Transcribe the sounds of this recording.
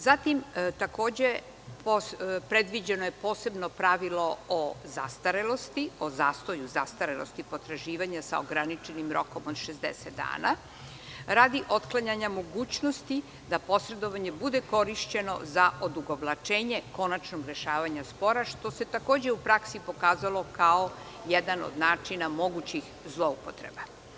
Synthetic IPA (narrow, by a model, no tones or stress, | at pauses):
zat̪imt̪ako̞ːd͡ʑe | popɾed̪ʋid͡ʑenojepo̞ːse̞bnopɾaʋilo̞oza̰st̪aɾelo̞st̪iozaːst̪o̞juza̰st̪aɾelost̪ipo̞t̪ɾaʒiːʋaɲasa̰oɡɾanit͡ʃe̞nimɾo̞̰ko̞mod̪ʃezd̪ḛset̪̚d̪a̰ːna̰ | ɾaːd̪iʔo̞t̪klˠaɲaɲamo̞ɡuːt͡ɕnost̪i | d̪apo̞sɾe̞d̪o̞ʋaɲe̞bud̪eko̞ɾiʃt͡ɕe̞no̞̰zaʔo̞d̪uɡoblˠat͡ʃe̞ːɲe̞ko̞nat͡ʃnoɡɾe̞ʃaːʋaɲaspo̞ɾaʃt̪o̞se̞t̪ako̞ːd͡ʑe̞upɾaksipo̞kaːzalo̞kao | jɛd̪ano̰d̪naːt͡ʂinamo̞ɡut͡ɕix | zlˠo̞upot̪ɾḛba